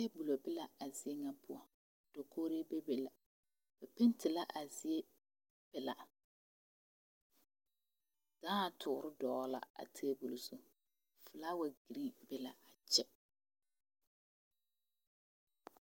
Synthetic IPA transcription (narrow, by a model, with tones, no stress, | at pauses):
te˦bu˨lo˨bɪ˦la˨a˨zɪ˨e˦ŋa˦pʰʊ˦ɔ˦ | d̥o˨kʰo˦ɾe˦be˦be˨la˨ | ba˨pe˦ntɪ˨la˦ʔa˨zɪ˦e˦ | b̥ɪ˨la̰˨ | d̥aː˦a˨tʰʊ˨ɾɪ˦dɔː˨˦la̰˨a̰˨tʰeː˦bu˨lo˨so˦ | fʊ˨la˦wa˨ɡi˨ɾi˦bɛ˦la˨a˨t͡ʃɛ˦